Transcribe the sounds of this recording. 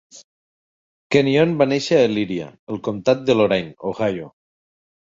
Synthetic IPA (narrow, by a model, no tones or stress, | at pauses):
kenionbaneʃaːliɾia̰elˠkomt̪at̪̚d̪eloɾajnoɣajo